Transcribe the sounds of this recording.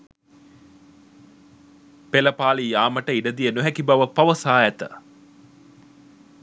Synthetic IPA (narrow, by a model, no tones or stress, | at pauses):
peləpaːlijaːməʈəiɖəd̪ijənoɦækibaʋəpaʋəsaːæt̪ə̰